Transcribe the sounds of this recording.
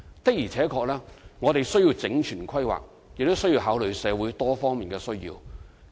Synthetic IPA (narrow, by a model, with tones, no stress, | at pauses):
t̪k̚jiː˨˩t͡sʰɛː˨˥kʰɔː˧k̚lɛː˥ŋɔː˨˧t̪e˨jsɵ˥ɥjiː˧wt͡sɪ˨˥ŋt͡ʃʰyː˨˩nkʰwɐ˥jwa̰ː˨k̚ | jɪ˨k̚t̪o˥wsji˧wɦaː˨˥wlɵ˨˧ɥsɛː˨˧wu˨˥jt̪ɔː˥fɔː˥ŋmiː˨nkɛː˧sɵ˥ɥjḭː˧w